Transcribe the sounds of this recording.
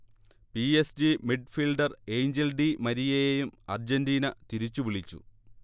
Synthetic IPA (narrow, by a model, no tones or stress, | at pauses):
piesd͡ʑimiɖfilɖɐre̞ːjɲd͡ʑelɖimɐɾijejejumɐ̰rd͡ʑendiːnɐt̪iɾit͡ɕːuʋiɭit͡ɕːṵ